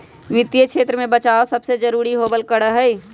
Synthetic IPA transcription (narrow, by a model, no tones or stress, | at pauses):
ʋɪt̪jəkʃʰeːt̪ɾəmẽbət͡ʃaːosɐbsed͡ʒəɾuːɾiɦobəlkəɽəɦɛi